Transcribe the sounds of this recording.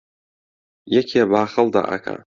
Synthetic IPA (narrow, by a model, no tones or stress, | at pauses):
jakʲʰiabaːχəld̪a̰ʔa̰kʰa̰